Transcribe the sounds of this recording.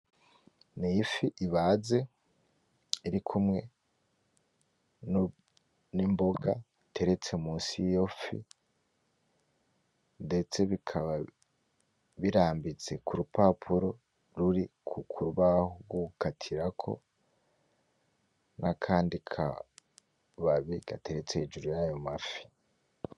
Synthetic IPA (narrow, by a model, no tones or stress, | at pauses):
nijifiʔiβaːze̞ | iɾikʰumŋe̞ | nimbo̞ɡa̰ | tʰe̞ɾe̞t͡se̞muːnsijofḭ | nde̞t͡se̞βikʰaβa | βiɾaːmbit͡se̞kuɾupapʰuɾo̞ | ɾuɾikʰukʰuɾuβahoɡukatʰiɾakʰo̞̰ | nʔakʰaːndikʰa̰ | βaβiɡ̥ate̞ɾe̞t͡sehed͡ʒuɾujajo̞mafi̥